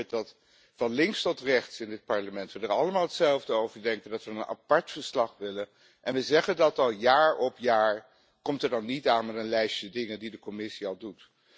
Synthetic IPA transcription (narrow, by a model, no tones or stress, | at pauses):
dɑt | fɑnlɪŋkstɔtrɛχtsɪndɪt̚pɑɹləmɛntʋədəɹɑləmaːlˠɦətsɛlˠvdəowvəɹdɛŋkəndɑtʋəənʔa̰pɑɹtfəɹslɑχʋɪlə | ʔɛnʋəzɛχədɑtɑlˠjaːɹɔpjaːɹ | kɔmtəɹdɑnːitaːnmɛtənlɛjsədɪŋəndidəkɔmɪsiɑlˠdut